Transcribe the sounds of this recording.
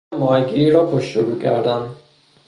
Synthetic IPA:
mɒːjɡiɾɒːpʰoʃt̪oɡuːcʰæ̰ɾd̪æn

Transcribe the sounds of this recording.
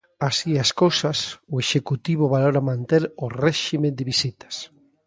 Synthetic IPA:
asiaskowsasʊeʃekut̪iβoβaloɾamãnt̪eɾʊrɛʃimed̪ɪβisit̪ḁs

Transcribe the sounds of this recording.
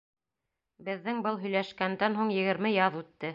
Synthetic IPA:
bɘ̆ðːɘŋbɤlˠɦɵ̆jlæʃkænd̪ænɦuɴjɘ̆ɡɘ̆ɾmɘjɑðʉt̪ːɘ

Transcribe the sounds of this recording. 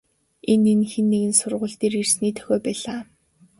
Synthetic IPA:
enenxenːeɣɘ̆nsʊrʁʊ̆ːɮt̪eːrirsniːt̪ʰœ̥xʲɔːpæːɮaː

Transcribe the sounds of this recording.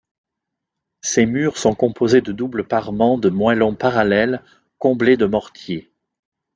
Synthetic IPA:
semyʁsɔ̃kɔ̃pozed̪əd̪ubləpaʁmɑ̃d̪əmwalɔ̃paʁalɛl | kɔ̃bled̪əmɔʁt̪je

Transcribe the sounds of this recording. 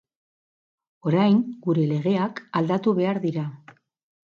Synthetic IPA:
o̞ɾajŋɡuɾe̞le̞ɣ̞e̞akald̪at̪uβe̞aɾðiɾa

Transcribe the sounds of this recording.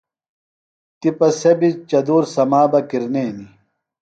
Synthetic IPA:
t̪ipɐsɐbit͡ɕɐd̪uːɾsɐmaːbɐkiɾneːni

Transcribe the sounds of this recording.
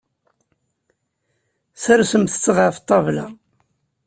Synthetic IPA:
səɾsəmθə̥t͡sːəʁəft̪ˤːɑvla

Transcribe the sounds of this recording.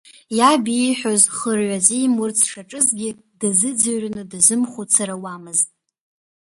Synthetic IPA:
jabiħʷᶣozχərʕʷazijmʊrt͡sʰʂaʈ͡ʂʼɨzɡʲɪ | d̥azɨd͡zaɥrnɨdazɨmχʷut͡sʰaɾawamɨztʼ

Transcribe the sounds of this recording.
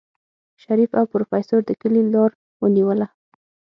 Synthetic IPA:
ʃaɾifawpɾofɑjsoɾd̪əkəlilɑɾ | wəniwəla

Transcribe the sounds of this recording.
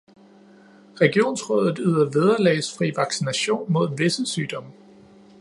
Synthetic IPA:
ʁɛɡ̥io̝̰ːnsʁɔðˠð̩ˠyð̰ˠɐʋeð̞ˠɐlɛːsfʁḭːʋɑ̈ɡ̥sinæɕo̝̰ːnmo̝ð̞̰ˠʋe̝səsyːd̥ɒ̽mə

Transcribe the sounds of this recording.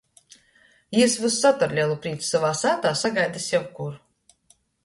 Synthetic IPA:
iɛsvɨsːat̪aɾlʲilˠupɾiːt̪savaːsæːt̪aːsaɡajd̪isjawkuɾ

